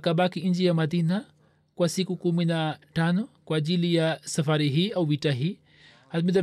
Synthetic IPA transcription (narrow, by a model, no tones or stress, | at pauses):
kabakiĩɲd͡ʒijamɐd̪ina | kwasikukuminaʈanɔkwad͡ʒilijasɐfaɾiɦiauʋiʈaɦi | hat̪mid̪ɐ